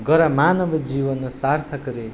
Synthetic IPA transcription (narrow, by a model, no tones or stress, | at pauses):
ɡʌɾʌmanʌbʱid͡ʒibʌnsart̪ʰʌkuɾe